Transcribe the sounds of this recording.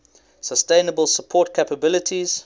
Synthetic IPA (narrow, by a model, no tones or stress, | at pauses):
səstẽɪnəbəlˠsəpʰɔːˑt̚kʰepəbɪlətʰiz̥